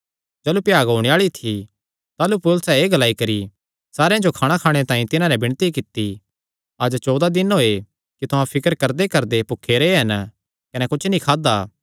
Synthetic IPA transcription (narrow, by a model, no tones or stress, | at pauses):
d͡ʒɐːlupjaːɡɦoːɽ̃eaːɭit̪ʰi | t̪aːlupʊlsɛeːɡɐlaːikɐɾi | saːɾejãd͡ʒokʰaːɽ̃akʰaːɽ̃et̪ãːĩt̪ɪnãnɛbɪɽ̃t̪ikɪt̪ːi | ɐd͡ʒt͡ʃɔːd̪ad̪ɪnɦoːe | kit̪ʊɦãpʰɪkəɾkɐɾd̪ekɐɾd̪epʊkʰːeːɾeɦɐn | kɐnɛkʊt͡ʃʰnĩkʰaːd̪aː